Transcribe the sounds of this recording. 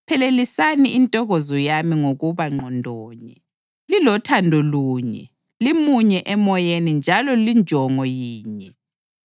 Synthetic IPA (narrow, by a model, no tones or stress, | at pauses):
pʰɛlelisaniːntʼɔɣɔzɔjamiŋoɣuβaŋ͡ǃɔndʱɔːɲɛ | lilɔtʰandʱɔluːɲɛ̰ | limuɲɛʔɛmɔjenind͡ʒʱalɔlind͡ʒʱɔŋɔjiːɲɛ